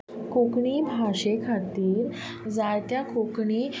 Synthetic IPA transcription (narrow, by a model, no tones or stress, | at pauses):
kokɳibʱaɕekʰat̪iːɾ | d͡zaɭt̪jakokɳiː